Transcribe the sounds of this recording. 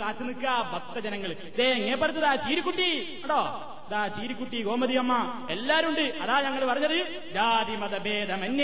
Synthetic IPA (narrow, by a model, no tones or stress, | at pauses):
kaːt̪ːɨnikːaːbɐt̪ːɐd͡ʑɐnɐŋːɐɭ | d̪eːŋːɐep̬ːɐɾɐt̪ːɐðaːt͡ɕiːɾukːuʈːi | ɐɳɖoː | ɐðaːt͡ɕiːɾukːuʈːiɡoːmɐd̪ijɐmːɐ | elːaːɾuɳɖɨɐðaːɲɐŋːɐɭpɐrɐɲːɐðɨ | d͡ʑaːd̪imɐd̪ɐbeːd̪ɐmɐnːjɐ